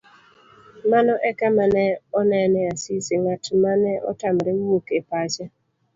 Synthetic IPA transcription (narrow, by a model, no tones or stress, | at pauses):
manɔʔɛkamanɛɔnɛnɛasiseŋatmanɛʔɔ̰tamɾɛwokepat͡ʃɛ